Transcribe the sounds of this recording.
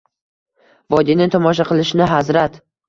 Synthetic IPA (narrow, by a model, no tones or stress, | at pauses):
vɒd̪inɪŋt̪ʰɒmɒʃ̬aqʰɨlˠɪʃɪnɪɦazɾat̪